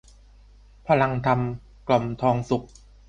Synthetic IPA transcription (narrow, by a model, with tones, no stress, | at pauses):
pʰa˧la˧ŋt̪ʰa˧m | klɔ˨˩mt̪ʰɔː˧ŋsu˨˩k̚